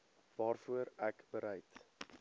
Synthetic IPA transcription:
vɑːrfuəɾækbəɾɛjt

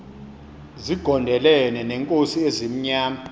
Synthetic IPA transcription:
ziɡ̥ʱɔndʱɛlɛnɛnɛŋkʼosiezim̩ɲaːma

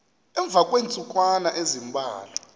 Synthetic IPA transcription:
ɛɱb̪vʱakʼwent͡sʼukʼwanaʔezimbʱa̰ːlɔ

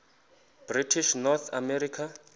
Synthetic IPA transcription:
b̥ritʰiʃnɔt̪ʰamɛɾikʰa

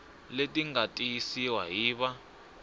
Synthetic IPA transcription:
letʼiŋɡatʼijisiwaɦiːɓa

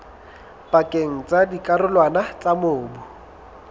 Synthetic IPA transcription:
pʼakʼeŋ̩t͡sʼadikʼarʊlwanat͡sʼamʊːbʊ

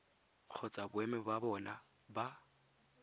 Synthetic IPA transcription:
k͡xʰɔt͡sʼabʊɛmɛbabɔna | ba

